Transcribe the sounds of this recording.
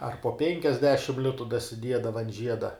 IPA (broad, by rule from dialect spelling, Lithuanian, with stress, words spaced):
ɐr poː ˈpʲɛŋʲkʲɛzʲdʲɛʃʲɪm ˈlʲɪtʊ dɐsʲɪˈdʲiɛdɐʋɐ ɐn ˈʒʲiɛdɐ